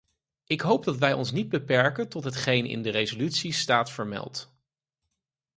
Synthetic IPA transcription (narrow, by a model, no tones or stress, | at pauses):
ɪkɦowp̚dɑtʋɛjɔ̰nsnid̚bəpɛɹkəntɔtɦətχejnɪ̰ndərejzolytsistaːtfəɹmɛ̰lˠt